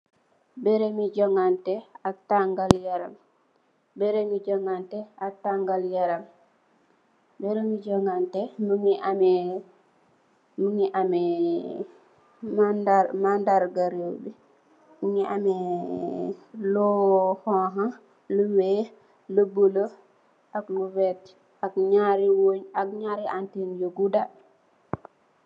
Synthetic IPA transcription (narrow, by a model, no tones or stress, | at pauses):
bɛɾemid͡ʒɔŋantɛataŋɡaljaɾam | bɛɾemid͡ʒɔŋantɛataŋɡaljaɾam | bɛɾemid͡ʒɔŋantɛmuŋiamɛ | muŋiʔamɛ | madamandaɾɡaɾiwbi | muŋiamɛ | lɔhɔɦa | luwe | lubulo | ʔaknuvɛt | akɲaɾiwoɲakɲaɾiantinjoɡuda